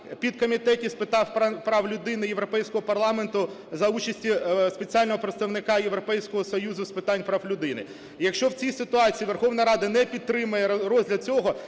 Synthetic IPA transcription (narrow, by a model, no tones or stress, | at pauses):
pʲid̪kɔmʲit̪ɛtʲispɪt̪ɑwppɾɑwlʲʊd̪ɪnɪjeʋɾɔpɛjsʲkɔɦɔpɐrlˠɑment̪ʊ | zɐut͡ʃɐsʲtʲispet͡sʲialʲnɔɦɔpɾeɪt̪st̪ɐʋnɪkɑjeʋɾɔpɛjsʲkɔɦɔsɔjuzʊspɪt̪ɑnʲpɾɑwlʲʊd̪ɪnɪ̰ | jɐkʃt͡ʃɔwt͡sʲisɪt̪ʊɑt͡sʲijːʋerxɔʋnɐjɾɑd̪ɐnɛpʲid̪̚ɾɪmʊjɛɾɔzʲlʲɐt͡sʲɔɦɔ